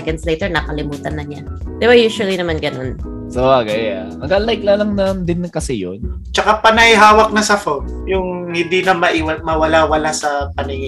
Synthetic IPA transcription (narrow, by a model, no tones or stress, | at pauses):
ɛkɛnd̪slɛt̪ɛɹnɐkɐlɪmuːt̪ɐnːɐɲad̪̥ɛbajuːʃʊɐlinɐmanɡɐno̞n | soʔaɡɐjamɐɡalajk̚lɐlɐŋnɐnd̪ɪnkɐsɛjon | t͡ʃɐkapɐnɐɪɦaːwɐk̚nɐsɐfom | jʊŋhɪnd̪inɐmɐʔiwɐmɐwɐlawɐlasɐpɐnɪŋɪ